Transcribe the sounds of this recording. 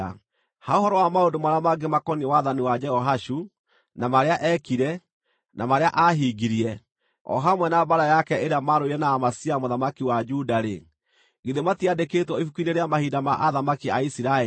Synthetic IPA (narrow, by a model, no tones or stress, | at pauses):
haoɦɔɾɔwamaondomaɾamaɡemakɔniɛwaðaniwad͡ʒɛhɔɦaʃu | namaɾeaʔɛkiɾɛ | nʔamaɾeaʔaɦiɡiɾiɛ | ɔ̰ɦamwɛnabaɾajakɛeɾeamaɾoiɾɛnaːmasiamoðamakiwad͡ʒudaɾḛ | ɡiðematiadeketwɔifukuineɾeamahiːdamaʔaðamakiaisiɾae